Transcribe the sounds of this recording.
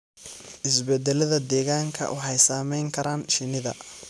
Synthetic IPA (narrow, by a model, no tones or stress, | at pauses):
ʔɪsbɛd̪ɛlɐðɐd̪ɛːɣaːŋkʰɐ̰ʔʊħɛjsaːmɛjŋkʰɐɾaːnʃɪnɪðɐ̰